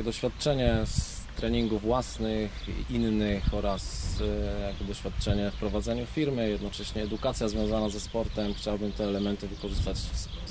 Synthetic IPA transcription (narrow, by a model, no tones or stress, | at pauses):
ɛd̪ɔɕfʲjat̪t͡ʂɛɲɛs | t̪ɾɛɲiŋɡuvːwasnɘxinːɘxɔɾasjaɡbɔd̪ɔɕfʲjat̪̚t͡ʂɛɲɛfpɾɔvad̪zɛɲufʲiɾmɘjɛd̪nɔt͡ʂɛɕɲɛːd̪ukat̪sʲjazvʲjɔ̃w̃zanazɛspɔɾt̪ɛmxt͡ɕawabɘmt̪ɛːlɛmɛnt̪ɘvɘkɔʐɘst̪at͡ɕ